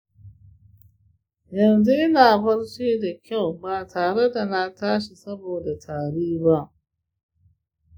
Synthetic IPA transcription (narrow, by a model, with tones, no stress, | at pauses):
jɐ˨nzu˦ʔɪ˦naː˨bɐ˦ɽt͡ʃeː˦da˨kʲa˦˨wbaː˨tʰaː˨ɽe˦da˨na˦taː˦ʃi˨sɐ˦boː˨da˨tʰaː˨ɽiː˦ba˦ʔ